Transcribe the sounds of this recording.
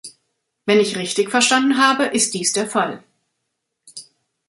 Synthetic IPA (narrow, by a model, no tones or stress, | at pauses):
vɛnɪçʁɪçtɪçfɛɐʃtandn̩ɦaːbəʔɪst̚d̥iːsd̥eːɐfal